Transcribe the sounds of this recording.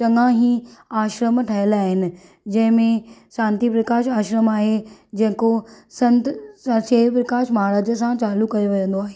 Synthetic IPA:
t͡ɕɐŋãɦĩaːʃɾəmʈʰɐɦəlaːɦɪnɪ̆ | d͡ʑɐ̃ɦɪ̃mẽʃãːnt̪ipɾɐkaːʃaːʃɾəmaːɦed͡ʑɐ̃ɦɪ̃ko | sɐ̃nt̪seːʋpɾɐkaːʃmaaɾaːd͡ʑəsãt͡ɕaːlukɐjoʋɐd͡ʑə̃nd̪oaːɦeː

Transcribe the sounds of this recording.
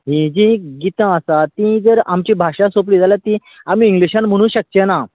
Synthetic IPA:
ɦĩd͡ʑĩɡit̪ãəsat̪ĩd͡zəɾamt͡ɕibʱaʂasop̬liːd͡zalat̪ĩ | am̤iːŋɡliɕãnm̤əɽ̃ũːɕək̚t͡ɕena

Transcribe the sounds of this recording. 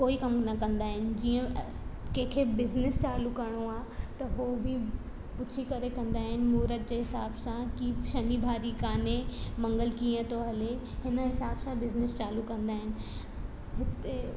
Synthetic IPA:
koːikɐmnɐkɐ̃nd̪aːɦɪnɪ̆d͡ʑiːə̃ | kẽɦkʰebɪznɪst͡ɕaːlukɐɾɽ̃oaːt̪ɐɦobʱɪ | pʊt͡ɕʰikɐɾekɐ̃nd̪aːɦɪnɪ̆muːɾəd̪̚d͡ʑeːɦɪsaːbsãkiʃɐnibʱaːɾikaːnemɐ̃ŋɡəlkiːə̃t̪ʰoɦɐle | ɦɪnɦɪsaːbsãbɪznɪst͡ɕaːlukɐ̃nd̪aːɦɪnɪ̆ | ɦɪt̪e

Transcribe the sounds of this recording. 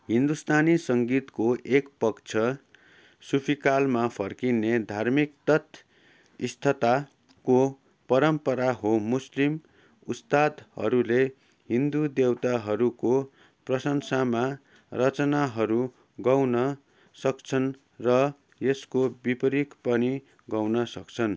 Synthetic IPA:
ɦind̪ust̪ʰanisʌŋɡit̪koʔekpʌkt͡sʰʌ | supʰikalmapʰʌrkined̪ʱarmik̚t̪ʌt̪ʰ | ist̪ʰʌt̪a | ko | pʌɾʌmpʌɾaɦomuslim | ust̪ad̪hʌ̰ɾule | ɦind̪ud̪ewt̪aɦʌɾuko | prʌsʌŋsama | rʌt͡sʌnaɦʌɾu | ɡʌwnʌ | sʌkt͡sʰʌn | rʌ | jeskobipʌɾikpʌni | ɡʌwnʌsʌkt͡sʰʌn

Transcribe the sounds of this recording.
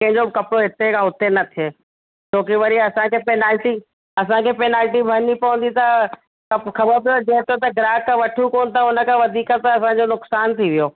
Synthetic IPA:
kɐ̃ɦɪ̃ɲd͡ʑobɪkɐpɽoɦɪt̪ekʰãɦʊt̪enɐt̪ʰieː | t͡ɕoːkeʋɐɾiɐsãkʰeːpeːnaːlʈi | ɐs̬ãkʰeːpeːnaːlʈibʱɐɾnipɐʋə̃n̆d̪it̪a | ɐxɐbəɾp̬ɐjod͡ʑeɦt̪jot̪ɐɡɾaːkːãʋɐʈʰukoːnt̪ʰaʊnəkʰãʋɐd̪ʱiːkət̪ɐsãɲd͡ʑonʊksaːnt̪ʰiʋijoː

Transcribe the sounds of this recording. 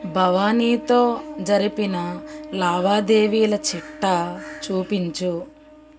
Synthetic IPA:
bʱɐʋaːniːt̪o̞ːd͡ʒɐɾipinɐlaːʋaːd̪e̞ːʋiːlɐt͡ʃiʈːɐt͡ʃuːpiɲt͡ʃu

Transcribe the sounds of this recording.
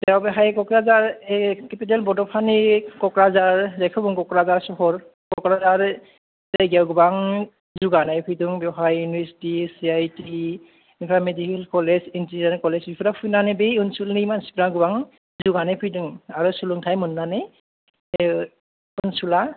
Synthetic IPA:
tɛɔbɛɦajkɔkɹazaɹɛkɛpitɛlbɔdɔpʰanikɔkɹazaɹzakʰɔbɔŋkɔkɹazaɹsɔɦɔɹ | kɔkɹazaɹ | tɛɡawɡubaŋ | zuɡanajpʰujduŋbɔɦajjunbɛsi̥tisiajti | inpʰamedikilkɔlɛzintidankɔlɛsbipʰɔɾapʰujnanɛbejunsulniimansi̥pɾaɡubaŋ | zuɡanapʰujduŋaɹɔsuluŋtʰajmunːanɛ | unsula

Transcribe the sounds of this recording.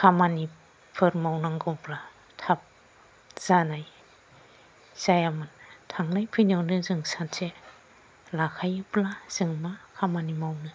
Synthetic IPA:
kʰamani | pʰɯɾmawnaŋɡɯwpla | tʰap̚ | z̥anaj | z̥ajamɯntʰaŋnajpʰɯjnawnɯzɯŋsansʰe | lakʰajɯplaz̥ɯŋmakʰamanimawnɯ

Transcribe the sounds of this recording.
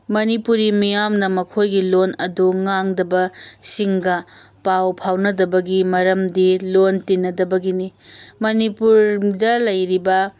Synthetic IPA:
mɐnipuɾimijamnɐmɐkʰojɡilonɐduŋaŋdɐbɐsiŋɡɐ | pawpʰawnɐdɐbɐɡimɐɾɐmdilontinːɐdɐbɐɡinimɐnipuɾdɐlɐjɾibɐ

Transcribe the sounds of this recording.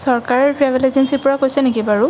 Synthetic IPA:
sɔɹkaɹɔɹpɹabilezɛnsiɹpɔɹakojsɛnekibaɹʊ

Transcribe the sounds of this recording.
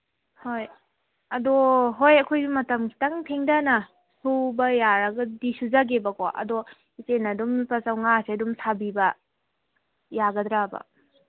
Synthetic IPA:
hoj | ɐdoɦojɐkʰojɡimɐtɐmkʰi̥tɐŋpʰeŋdɐnɐ | subɐjaɾɐɡɐdisuzaɡebɐkoʔɐ̰do | isenɐdumpɐsawŋaseɐdumsʰabibɐ | jaɡɐdɾabɐ̰

